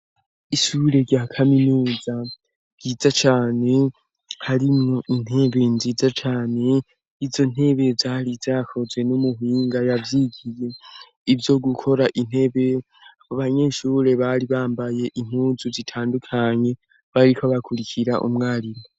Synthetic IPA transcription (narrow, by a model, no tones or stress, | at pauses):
iʃuɾe̞ɾɟakʰaminuːza | vɟiːzat͡ʃaːne̞ | haɾimŋo̞ʔin̥he̞βe̞nziːzat͡ʃaːne̞ | izo̞n̥he̞βe̞vjaɾivzakʰo̞zwe̞numuɦiːŋɡajavjiɡije̞ | ivjo̞ɡukʰo̞ɾaʔin̥he̞βe̞ | aβoβaɲe̞ʃuːɾe̞βaɾiβaːmbaje̞ʔim̥uːzuzitʰaːndukʰaɲe̞ | βaɾikoβakʰuɾikʰiɾaʔṵmŋaːɾimo